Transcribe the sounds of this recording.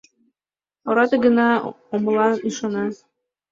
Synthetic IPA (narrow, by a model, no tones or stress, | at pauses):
ɒɾɑt̪ɤɡɤ̆nɑ | omɤ̆lˠɑnɤ̆ʃɑnɑ